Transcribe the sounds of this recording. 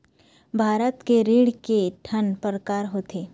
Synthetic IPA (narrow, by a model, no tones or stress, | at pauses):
bʱaːɾət̪keɾiːɽkeʈʰənpəɾəkaːɾɦoːt̪ʰeː